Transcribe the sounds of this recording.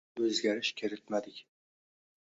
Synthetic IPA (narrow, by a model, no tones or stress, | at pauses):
ɵzɡʲaɾɪʃkʲʰɪɾɪt̪mad̪ɪkʲ